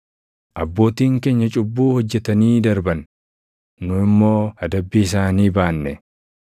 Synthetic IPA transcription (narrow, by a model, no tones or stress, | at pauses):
ʔɐbːo̞ːt̪iːŋke̞ːɲːɐt͡ʃʼʊbːuːhɔd͡ʒːɛt̪ɐniːd̪ɐɾbɐn | nʊɪmːo̞ːɐd̪ɐbːiːɪsaːniːbaːnːɛ